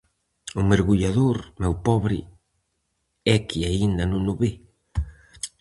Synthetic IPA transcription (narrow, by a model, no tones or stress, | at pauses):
ʊmeɾɣuʎaðoɾmɛwpɔβɾɪ̰ | ɛkiaind̪anũnʊβe